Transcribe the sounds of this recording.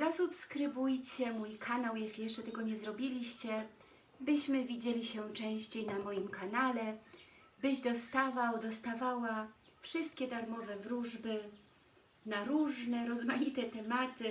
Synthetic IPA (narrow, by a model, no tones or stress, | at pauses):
zasupskɾɘbujt͡ɕɛmujkʰanawjɛɕlʲijɛʂt͡ʂɛt̪ɛɡɔɲɛzɾɔbʲilʲiɕt͡ɕɛ | bɘɕmɘvʲid͡ʑelʲiɕɛt͡ʂɛ̃w̃ɕt͡ɕejnamɔjimkanalɛ | bɘʑd̪ɔst̪avawd̪ɔst̪avawa | fʂɘst̪̚kʲɛd̪aɾmɔvɛvɾuʐbɘ | naɾuʐnɛɾɔzmajit̪ɛt̪ɛmat̪ɘ